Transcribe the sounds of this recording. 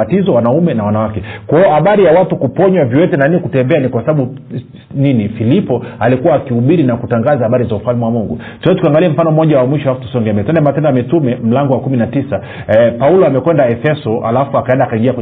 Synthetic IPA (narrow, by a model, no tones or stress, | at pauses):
atizɔwanaumɛnawanawakɛkwaɔhaɓaɾijawatukupɔɲwavjiwɛtɛnaninikutɛmbɛanikwasaɓaɓu | ninifilipɔalikuwaːkihuɓiɾinakutaŋɡazahaɓaɾizaufalmɛwamuŋɡu | tuwɛzɛtukiaŋɡaliɛm̩fanɔmɔʄawamwiʃɔaafu̥tu̥sɔŋɡɛmɛtɛndɛmatɛndaamitumɛm̩laŋɡɔwakuminatisa | paulɔamɛkwɛndaɛfɛsɔa̰lafuakaɛndaːkaiŋɡiakwɛ